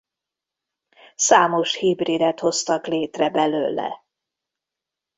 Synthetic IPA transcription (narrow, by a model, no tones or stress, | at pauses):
saːmo̞ʃhibriːd̪ɛt̪ho̞st̪ɒkleːt̪rɛbɛløːlɛ̰